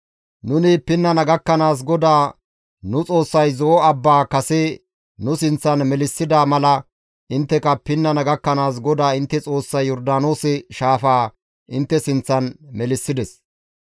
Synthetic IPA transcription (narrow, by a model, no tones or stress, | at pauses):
nʊnɪpɪnːɐnɐɡɐkːɐnaːs̬ɡɔd̪aː | nʊt͡sʼo̞ːsːɐjzɔʔɔɐbːaːkɐsɛ | nʊsɪnt͡sːɐnmɛlɪsːɪd̪aːmɐlɐ | ʔɪnt̪ːɛkɐpɪnːɐnɐɡɐkːɐnaːs̬ɡɔd̪aːɪnt̪ːɛt͡sʼo̞ːsːɐjjɔɾd̪aːno̞ːsɪʃaːfaː | ʔɪnt̪ːɛsɪnt͡sːɐnmɛlɪsːɪd̪ɛs